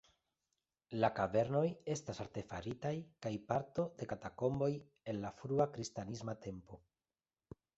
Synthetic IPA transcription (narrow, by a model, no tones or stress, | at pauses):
lakave̞ɾno̞je̞stasaɾt̪e̞faɾitajkajpaɾto̞d̪e̞katako̞mbo̞j | e̞nlafɾuakɾistanismat̪ʰe̞mpo̞